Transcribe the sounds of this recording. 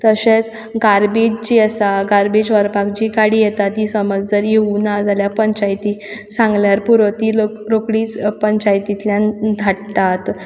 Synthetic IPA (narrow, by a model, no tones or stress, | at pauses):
t̪əɕet͡s | ɡaɾbed͡ʑt͡ɕiəsaɡaɾbed͡ʑʋəɾpakd͡ʑiːkaɽijɛt̪at̪ːiːsəməd͡zd͡zəɾjeunad͡zaljapəɲt͡ɕajt̪isãŋɡljaɾpuɾʋət̪ioɾokɽiːt͡spəɲt͡ɕajt̪it̪ljãnd̪ʱaɽʈ̪at̪